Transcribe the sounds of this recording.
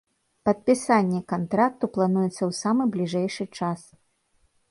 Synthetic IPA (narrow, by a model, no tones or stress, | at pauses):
pɐt̪̚pʲisanʲːɛkant̪ɾak̚t̪uplˠanujɛt̪sːɐwsamɨblʲiʐɛjʂɨt͡ʂas